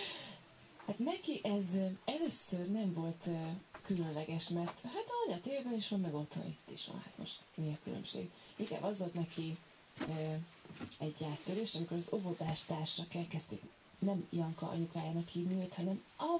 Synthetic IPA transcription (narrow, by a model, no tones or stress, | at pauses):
hat̪nɛkiʔɛzɛløːsørnɛɱvo̞lt̪ːkylø̞nlɛɡɛʃmɛrt̪ɦat̪ɒoɲɒt̪eːrbɛniʃʋonmːɛɡo̞t̪ho̞̰nit̪ːiʃʋo̰nha̰t̪mo̰ʃt̪miɒkylø̰mʃḛːɡ | iŋka̰ːbɒzvolt̪nɛki | øː | ɛɟːaːt̪ːøɾeːʃɒmiko̞ɾɒzo̞vo̞d̪aːʃt̪aːrʃɒkɛlkɛst̪eːk | nɛmjɒŋkɒ̰ʔɒ̰ɲukaːjaːnɒkhiːvniøt̪hɒnɛm | ɒ